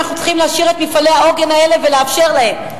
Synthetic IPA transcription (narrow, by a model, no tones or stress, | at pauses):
aχnu̥t͡sχimleaʃiʁet̪mifale̞hao̞ɡe̞nae̞le̞veleafʃe̞ʁlahe̞m